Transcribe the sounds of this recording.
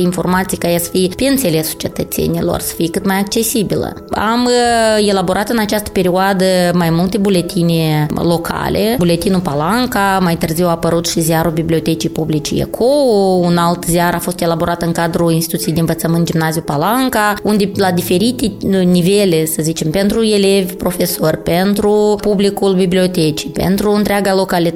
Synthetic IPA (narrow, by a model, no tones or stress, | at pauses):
info̞̰rmat̪sijkajesə̥fijepenselesu̥t͡ʃe̞t̪ət̪sḛnilo̞̰rsə̥fijekɨt̪majak̚t͡ʃe̞sibilə̰ | a̰me̞labo̞ɾʔat̪ɨnat͡ʃast̪ə̥pe̞ɾioad̪əmajmult̪e̞bule̞t̪inʲelo̞kʰa̰lʔebule̞t̪inupalaŋkamajt̪ɨrziwaːpəɾut̪ʃizʲaɾubiblʲio̞t̪e̞t͡ʃijpublit͡ʃḭjḛkʰounalt̪ziaɾafo̞st̪elabo̞ɾʔat̪ɨŋkad̪ɾuinst̪i̥t̪ut̪iejd̪eɨnvət̪səmɨnt̪d͡ʒimnaziupalaŋkaund̪elad̪ife̞ɾit̪enive̞lesəzit͡ʃe̞mpe̞nt̪ɾue̞le̞vʲpɾo̞fe̞sorʲpe̞nt̪ɾupublikulbiblio̞t̪et͡ʃi̥pḛnt̪ɾuɨnt̪ɾʲeaɡalo̞kali